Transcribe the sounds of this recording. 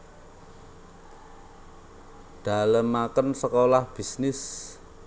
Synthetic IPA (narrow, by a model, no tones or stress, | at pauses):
ɖ̥a̤ləmːakənsəkolahb̥i̤snɪs